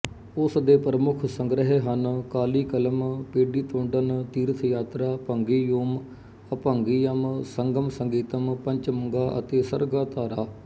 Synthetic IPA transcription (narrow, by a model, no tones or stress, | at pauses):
ʊsd̪eːpɾəmʊkʰsəŋɡɾəɦeɦənkaːliːkələmpeːɖiːt̪õːɳɖənt̪iːɾət̪ʰjaːt̪ɾaːpəŋɡiːjoːm | əpəŋɡiːjəmsəŋɡəmsəŋɡiːt̪əmpəɲt͡ʃməŋɡaːʔə̰t̪eːsəɾɡaːt̪aːɾaː